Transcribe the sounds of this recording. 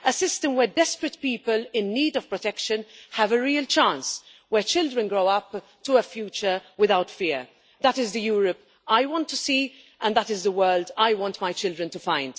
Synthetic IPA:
əsɪstə̃mwɛdɛspɹətpiːpəlɪ̃nːiːdɔv̥pɹɔtɛkʃə̃nhəvəɹiːəlt͡ʃãns | wɛt͡ʃɪldɹə̃nɡɹoʊʌp | tuəfjuːt͡ʃəɹwɪðaʊtfɪːɹ | ðətɪzðəjuːɹəp | ajwɔ̃ntːusiː | ʔə̃nðətɪzðəwɜːldajwɑ̃ntmajt͡ʃɪldɾə̃ntufãɪ̃nd̥

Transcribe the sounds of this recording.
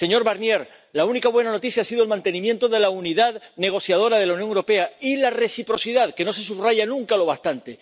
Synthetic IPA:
se̞ɲo̞ɾβaɾnje̞ɾ | launikaβwe̞nano̞t̪iθjasiðo̞lmãnt̪e̞nĩmjẽ̞nt̪oðe̞launiðaðne̞ɣ̞o̞θjað̞o̞ɾað̞e̞launjoŋewɾo̞pe̞ailare̞sipɾo̞siðaðke̞no̞se̞suβraʝanũŋkalo̞β̞aht̪ant̪e

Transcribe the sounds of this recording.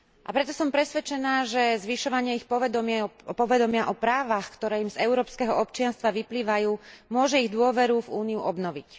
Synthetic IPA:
ʔapɾɛt̪ɔsɔmpɾɛsʋɛt͡ʃɛnaːʒɛzʋiʃɔʋaɲɪɛixpɔʋɛd̪ɔmɪɛpɔʋɛd̪ɔmɪaʔɔpɾaːʋaxkt̪ɔɾɛːimzɛʊɾɔːpskɛɦɔɔpt͡ʃɪanst̪ʋaʋipliːʋajuːmʊɔʒɛiɣd̪ʊɔʋɛɾuvuːniuʔɔbnɔʋic

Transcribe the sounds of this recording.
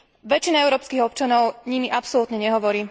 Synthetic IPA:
ʋɛt͡ʃinaɛʊɾɔːpskiɦɔp̚t͡ʃanɔʊɲimiʔapsɔlut̪ɲɛɲɛɦɔʋɔɾiː

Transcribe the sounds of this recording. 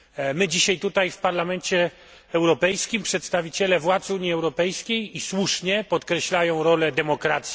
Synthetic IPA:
mɘd͡ʑiɕajt̪ut̪ajfpaɾlamɛnt͡ɕɛ | ɛwɾɔpɛjskʲimpʂɛt̪st̪avʲit͡ɕɛlɛvwat̪suɲːiɛwɾɔpɛjskʲejiswuʂɲɛpɔt̪kɾɛɕlajɔ̃w̃ɾɔlɛd̪ɛmɔkɾat̪sʲ

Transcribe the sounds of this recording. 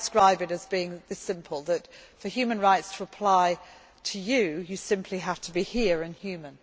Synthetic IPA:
skɹaɪbɨɾɨzbiɪ̃ŋðɪsɪ̃mpʰəl̩ˠðətfəhjʉmə̃nɹaɪtstʰəəpʰl̥aɪ | tʰəjɨjɨsɪ̃mpʰliɦaftʰəbihɪəɹɪ̃nhjʉːmə̃n

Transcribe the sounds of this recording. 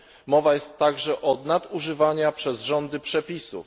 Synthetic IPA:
mɔvajɛst̪ːaɡʐɛʔɔnad̪uʐɘvaɲapʂɛzʐɔnd̪ɘpʂɛpʲisṵf

